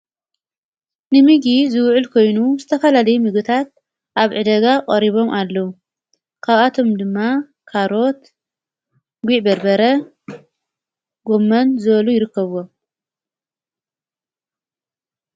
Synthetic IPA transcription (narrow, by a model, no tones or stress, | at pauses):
nɨmɨɡizɨwʕʊlkʰo̞jnuzɨt̪ʰɐfɐlalɐjumɨɡɨt̪ʰat̪̚ | ʔaβʕɨd̪ɐɡaqʼɐɾiβo̞mʔalːɐu | kʰaβat̪ʰo̞md̪ɨmːa | kʰaɾo̞t̪ | ɡʷiʕbɐɾbɐɾɐ | ɡo̞mːɐnzɨβɐlujɪɾɨkːɐβwo